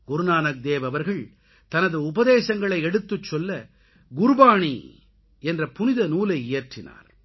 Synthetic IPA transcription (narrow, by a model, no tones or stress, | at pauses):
ɡ̥ʊɾnaːnɐk̚d̪eːʋɐʋɐɾɣɐɭ | t̪ɐnɐðɯʊbɐðeːsɐŋɡɐɭɐɪɛɽɯt̪ːɯt͡ʃːɔlːɐ | ɡʊɾʊbaːɳḭ | ɛndrɐpʊnɪðɐnuːlɐɪɪjɐʈrɪna̰ːɾ